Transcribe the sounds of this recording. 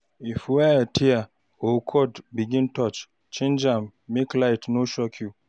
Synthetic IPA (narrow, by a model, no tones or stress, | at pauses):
ifwɛtʰia | okʰɔdbiɡĩntɔt͡ʃ | t͡ʃĩnd͡ʒãmːiklaɪtnoʃɔkʰju